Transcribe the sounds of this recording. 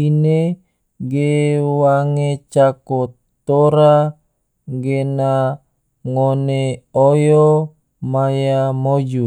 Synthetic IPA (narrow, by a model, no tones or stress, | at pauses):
ine | ɡewaŋet͡ʃako | t̪oɾa | ɡena | ŋoneojo | majamod͡ʒu